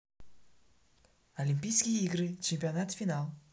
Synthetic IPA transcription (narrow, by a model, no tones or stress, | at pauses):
ɐlʲimʲpʲijskʲɪjəiɡɾɨt͡ɕɪmʲpʲɪɐnat̪fʲɪnalˠ